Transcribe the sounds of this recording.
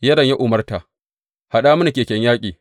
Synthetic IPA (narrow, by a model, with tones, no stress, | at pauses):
jɐ˦dɐ˨ɲja˦ʔʊ˨mɐ˦rta˨ | ha˨ɗaː˦mʊ˦na˨kʲeː˨kʲɛ˦ɲjaː˦kʲʼiː˨